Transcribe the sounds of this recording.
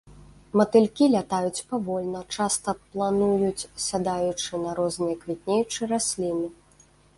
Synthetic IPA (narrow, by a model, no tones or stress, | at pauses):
mɐt̪ɨlʲkʲilʲat̪ajut͡sʲpavɔlʲnɐt͡ʂast̪ɐplˠanujut͡sʲsʲad̪ajut͡ʂɨnɐɾɔznɨjɐkvʲit̪̚ʲnʲejut͡ʂɨɾasʲlʲinɨ